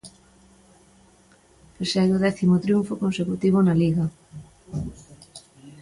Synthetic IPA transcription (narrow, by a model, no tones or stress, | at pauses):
pesɛðoðɛθimot̪ɾjuɱfokonsekut̪iβ̞onaliɣɐ